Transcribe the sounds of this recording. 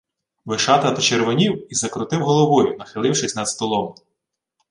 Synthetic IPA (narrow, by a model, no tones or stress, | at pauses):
ʋɪʃɑt̪ɐd̪ɔt͡ʃeɾʋɔnʲiwizɐkɾʊt̪ɪwɦɔlˠɔʋɔjʊnɐxɪlˠɪwʃɪsʲnɐd̪st̪ɔlˠɔm